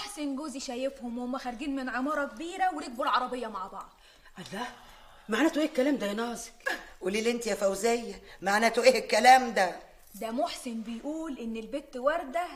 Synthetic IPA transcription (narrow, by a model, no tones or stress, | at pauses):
moħsenɡoːziʃæjefhomwomːæxæɾˤɡiːnmenʕemɑːɾˤɑkbiːɾæweɾiɡ̚boɾʕɑɾˤɑbejːɑmaʕbɑʕd̪̥ˤ | ʔælæ | maʕnæːt̪uʔeːhkːælæːmd̪æjnɑːze̥kʔuliːlʔent̪jæfæwzejːæmaʕnæːt̪oʔeːʔekːælæːmd̪æ | d̪æmoħsenbejʔuːlʔenːelbet̪ːwɑɾˤd̪æh